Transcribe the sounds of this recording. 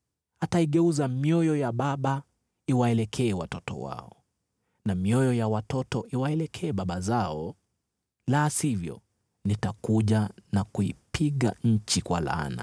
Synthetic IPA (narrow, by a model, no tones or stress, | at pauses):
ataiɠɛuzamjɔjɔjaɓaɓa | iwaɛlɛkʰɛːwatɔtɔ̰wa̰ɔ | namiɔjɔjawatɔtɔʔiwaɛlɛkʰɛːɓaɓazaɔ | laːsivjɔ̰ | nitakuʄanakuḭpʰiɠaɲ̩t͡ʃikwa̰la̰na̰